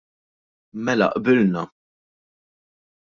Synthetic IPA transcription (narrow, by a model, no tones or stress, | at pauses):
mɛlɐ̰ʔbɪlnɐ